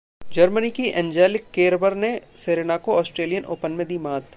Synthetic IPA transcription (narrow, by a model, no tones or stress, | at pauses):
d͡ʒɐɾmənikiʔɛ̃ːnd͡ʒɛːlɪkːeːɾbəɾneseːɾeːnakoɔːsʈɾeːlijənʔo̰ːpənmẽd̪iːmãːt̪